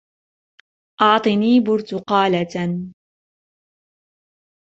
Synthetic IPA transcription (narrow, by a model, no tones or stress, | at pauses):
ʔɑʕt̪ˤɨniːbʊɾt̪ʊqɑːlat̪